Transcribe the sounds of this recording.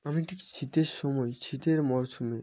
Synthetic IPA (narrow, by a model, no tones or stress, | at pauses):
amiʈʰikt͡ɕʰit̪eɾʃɔmɔet͡ɕʰit̪eɾmɔɾʃume